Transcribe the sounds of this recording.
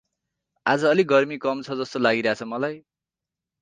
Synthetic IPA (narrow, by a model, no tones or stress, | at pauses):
ad͡zʌːliɡʌrmikʌmt͡sʰʌd͡zʌst̪olaɡiɾʌɦat͡sʰʌmʌlaj